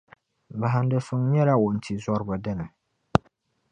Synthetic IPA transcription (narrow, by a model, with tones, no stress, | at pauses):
ba˨ɦa˨n˦dɨ˨fɨ˦ŋɲɛ˦la˦wo˨n̩˨tʰi˨zɔ˦ɾbʊ˨dɨ˦nɨ˨